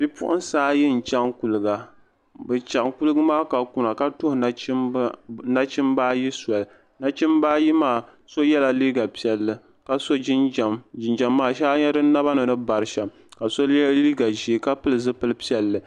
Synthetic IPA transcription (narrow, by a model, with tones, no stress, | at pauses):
b̥i˦pʊ̰˦ʔʊ̰˦nsaː˦jɪ˦n̩˨t͡ʃa˦ŋku˨lɨ˨ɡa˨ | bɨ˨t͡ʃa˨ŋku˦lɨ˦ɡɨ˦maː˦ka˨ku˨na˨ka˦tʊ˦hʊ˨˦ | na˦t͡ʃɪ˦mbaː˦ji˦sɔ˨l | na˦t͡ʃɪ˦mbaː˦ji˦maː˦˨ | so˦jɛ˦la˨liː˦ɡa˨pi˦ɛ˨lːɨ˨ | ka˨so˦˨ɪ˨nd͡ʒa˦mːaː˦ʃa˦ɲɛ˦dɨ˦na˦ba˦nɨ˨nɨ˦ba˨ɾɨ˨˦ʃa˨m | ka˨so˦liː˦ɡa˨ʒi˨ka˦pɨ˦lɨ˨zɨ˦pɨ˦lɨ˦pi˦ɛ˨lːɨ˨